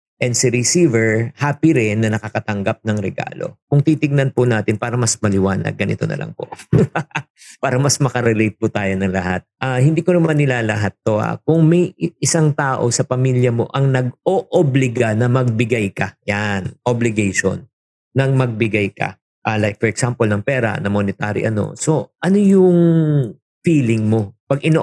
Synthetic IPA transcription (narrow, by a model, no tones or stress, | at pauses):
ʔɛnd̪sɪɾɪsiːvɛɹhaːpɪɾɪnːɐnɐkɐkɐt̪ɐŋɡap̚nɐŋɾɛɡa̰ːlo̞̰kʊŋt̪iːt̪ɪɡ̚nɐnpʊnaːt̪ɪnpaːɾɐmɐsmɐlɪwaːnɐ̰ɡ̚ɡɐnʔɪ̰t̪o̞̰nɐ̰lʔɐ̰ŋpo̰ | paːɾɐmɐsmɐkɐɾɛlejt̪̚pʊt̪aːjo̞nɐŋlɐhat̪̚ʔaːhɪnd̪iːkonɐmɐnːɪlaːlɐɦat̪ːo̞ha̰kʊŋmɐjʔɪsaŋt̪aːʔo̞sɐpɐmiːljɐmo̞̰ʔɐŋnɐɡ̚ʔoʔoblɪɡɐnɐmɐɡ̚bɪɡajkɐjanʔoblɪɡɛjʃo̰nː | ɐŋmɐɡ̚bɪɡajkɐ̰ | ʔalajk̚fɔɹɛksampolnɐŋpɛːɾɐ̰nɐmonɪt̪aːɾɪ̰ʔɐ̰no̞̰so̞ʔɐno̞jʊŋ | fiːlɪŋmo̞pɐɡʔɪno